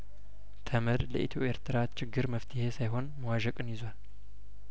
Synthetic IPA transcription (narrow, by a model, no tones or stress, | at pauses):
t̪ʰəməɾləʔit̪ʰoʔeɾt̪ʰɨɾat̪t͡ʃɪɡːɨɾməft̪ʰɨhe̞sajɦo̞nməwaʒɛkʼɨnjɪzwal